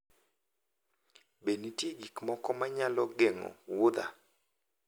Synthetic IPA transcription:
benitjeɡikmɔkɔmaɲalɔɡeŋɔ̰wʊd̪a̰

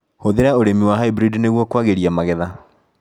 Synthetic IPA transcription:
hoðeɾaoɾemiwaɦaibɾidneɣwɔkwaɣeɾiamaɣɛða

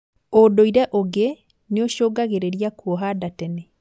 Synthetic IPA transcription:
odoiɾɛʔoɡe | neoʃoːɡaɣeɾeɾiakuoɦadatɛnɛ

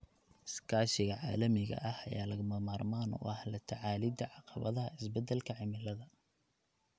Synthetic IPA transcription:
skʰaːʃɪɣɐʕaːlɐmɪɣɐ̰ʔɐhɐjaːlɐɣʊmɐmaːrmaːnʊ̰ʔɐhlɐt̪ʰɐʕaːlɪd̪ɐʕɑqɑβɐðɐɦɐɪsbɛd̪ɛlkʰɐʕɪmɪlɐðɐ

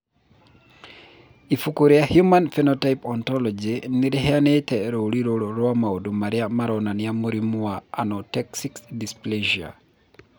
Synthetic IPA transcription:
ifukuɾiahjumanfɛnɔtajpɔntɔlɔd͡ʒiniɾɛɦɛanetɛɾoɾiɾolɔɾɔamaodumaɾiamaɾɔnanijamuɾimuwaanɔtɛksikdispled͡ʒia̰

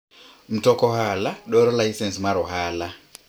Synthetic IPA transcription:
m̩tɔkɔɦalaɗɔɾɔlaisɛnsmwaɾɔɦala

